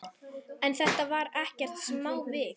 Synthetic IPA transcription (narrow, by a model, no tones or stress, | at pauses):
ɛnθɛht̪avaɾɛhcɛr̥t̪smawvɪθ